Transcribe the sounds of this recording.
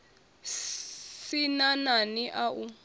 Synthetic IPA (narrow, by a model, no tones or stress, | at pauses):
sinananiʔau